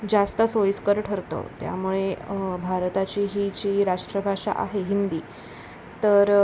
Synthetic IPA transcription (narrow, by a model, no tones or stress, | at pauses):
d͡zast̪əsojskəɾʈʰəɾt̪o̰t̪ja̰muɭebʱaɾt̪at͡ɕiːɦit͡ɕiːɾaʂʈɾəbʱaʂa̰ʔa̰ɦeɦind̪iː | t̪əɾ